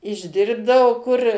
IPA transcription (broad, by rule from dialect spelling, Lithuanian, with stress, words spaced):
ɪʒʲˈdʲɪrbdɐoː kʊr